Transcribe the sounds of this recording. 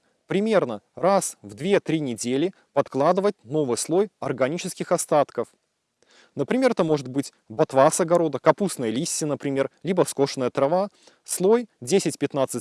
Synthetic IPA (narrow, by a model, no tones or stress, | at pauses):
pɾʲɪmʲe̞rnərasvd̪vʲe̞t̪ɾʲinʲɪdʲelʲɪ | pɐt̪klˠad̪ɨvət̚ʲno̞vɨjslˠo̞jɐrɡɐnʲit͡ɕɪskʲɪxɐst̪at̪kəf | nəpɾʲɪmʲe̞rt̪əmo̞ʐɨt̪̚bɨtʲ | bɐt̪vasɐɡɐɾo̞d̪əkɐpusnəjəlʲisʲːɪnəpɾʲɪmʲe̞rlʲibəfsko̞ʂnəjət̪ɾɐva | slˠo̞jdʲesʲɪtʲpʲɪt̪nat̪sɨtʲ